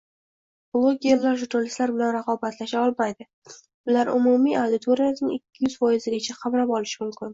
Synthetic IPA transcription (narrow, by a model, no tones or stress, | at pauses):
b̥lˠoɡʲe̞ɾlaɾʒʊɾnalʲɪst̪laɾbɪlanɾaqʰɒbat̪laʃaɒlˠmajd̪ɪ | ʊlaɾʊmʊmiawd̪ɪt̪ʰo̞ɾijasnɪŋɪkʲʰːɪjʏz̥fɒjɪzɪɡʲat͡ʃʰaqʰɑmɾapɒlɪʃɪmʊmkʲʰɪn